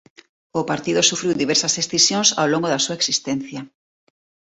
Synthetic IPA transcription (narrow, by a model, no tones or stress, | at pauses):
opaɾt̪iðosufɾiwd̪iβɛɾsasesθisjõnsa̰wloŋɡoðasuaeksist̪enθjɐ